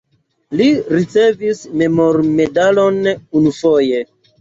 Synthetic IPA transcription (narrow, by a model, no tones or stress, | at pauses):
liɾit͡se̞visme̞mo̞ɾme̞dalo̞nunufoje̞